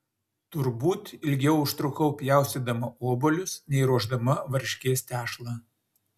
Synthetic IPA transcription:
t̪ʊɾbuːt̪ɪlʲɡʲɛʊʊʃt̪ɾʊkɐʊpʲjæˑʊsʲed̪ɐmɐoːbolʲʊsnʲɛɪɾuɔʒd̪ɐmɐʋɐɾʲʃʲkʲeːst̪ʲæːʃlˠɑː

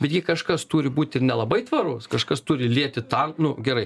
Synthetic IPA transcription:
bʲɛt̪ʲɡʲɪkɐʃkɐst̪uːɾʲɪbuːt̪ʲɪrnʲɛlˠɐbɐɪt̪ʋɐɾʊskɐʃkɐst̪uːɾʲɪlʲiɛt̪ʲɪt̪ɐŋknʊɡʲɛɾɐɪ

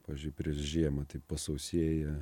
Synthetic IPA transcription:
pɑːʋʲizʲd͡ʒʲʊɪpʲɾʲiɛʃʒʲiɛmɐt̪ɐɪpɐsɐʊsʲiɛjɛ

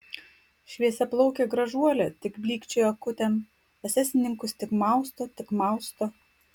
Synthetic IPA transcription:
ʃʲʋʲiɛsʲɛplˠɔʊkʲeɡɾɐʒuɔlʲɛt̪ʲɪkbʲlʲiːkt͡ʃʲʊjɐkʊt̪ʲɛm | ɛsʲæːsʲɪnʲɪŋkʊst̪ʲɪkmɑˑʊst̪oːt̪ʲɪkmɑˑʊst̪oː

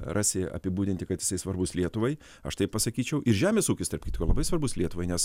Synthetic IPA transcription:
rʔɑːsʲeɐ̰pʲɪbuːdʲɪnʲt̪ʲɪkɐt̪jɪsɐɪsʋɐrbʊslʲiɛt̪ʊʋɐɪ | ɐ̰ʃt̪ɐɪp̚pɐsɐkʲiːt͡ʃʲɛʊʔɪɾʒʲæːmʲeːsuːkʲɪst̪ɐrpkʲit̪koːlˠɐbɐɪsʋɐɾbʊslʲiɛt̪ʊʋɐɪnʲɛs

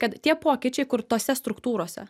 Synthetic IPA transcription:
kɐt̪tʲiɛpoːkʲɪt͡ʃʲɛɪkʊɾt̪oːsʲɛst̪ɾʊkt̪uːɾoːsʲɛ̰

